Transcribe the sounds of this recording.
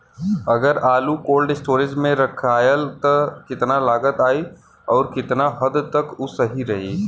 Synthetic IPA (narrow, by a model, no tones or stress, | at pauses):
ɐɡəɾaːlukoːlɖɪsʈoːɾɪd͡ʒmẽɾɐkʰaːjəlt̪ɐkɪt̪nalaːɡət̪aːi | ɔːɾkɪt̪naɦɐd̪t̪ɐkʊsɐɦiɾɐɦiː